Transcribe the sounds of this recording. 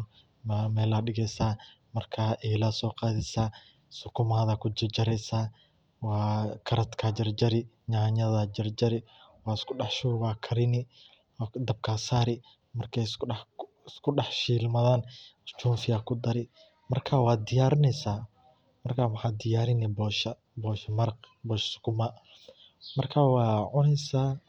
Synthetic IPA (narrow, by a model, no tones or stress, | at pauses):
mamɛːlaɗɪɣɛjsaː | mɐrkʰaːʔɛlɐsɔːqɑːðɪsaː | sʊkʰʊmaːðɐkʰʊd͡ʒɐd͡ʒɐɾɛsaː | wɑːkʰɐɾɐt̪kʰad͡ʒɐrd͡ʒɐɾɪ | ɲaːɲɐðɐd͡ʒɐrd͡ʒɐɾɪ | wɑːɪskʰʊɖɑħʃuːwaːkʰɐɾɪnɪ | d̪ɐb̚kʰasaːɾɪ | mɐrkʰɛj | ɪskʰʊɖɑħʃiːlmɐðaːnt͡ʃuːnfɪjaːkʰʊd̪ɐɾɪ | mɐrkʰaːwɑːd̪ɪjaːɾɪnɛjsaː | mɐrkʰaːwɑħɑːd̪ɪjaːɾɪnɛbɔːʃɐ | bɔːʃɐmɐɾqbɔːʃskʰʊmɐ | mɐrkʰaːwɑːʕʊnɛjsaː